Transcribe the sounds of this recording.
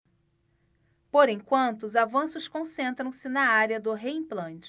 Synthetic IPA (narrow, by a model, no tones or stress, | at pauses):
poɾẽj̃kwɐ̃nt̪ʊːzavɐ̃sʊskõsẽnt̪ɾɐ̃w̃sɪnɐaɾiɐd̪ʊɦeĩplɐ̃nt͡ʃɪ̥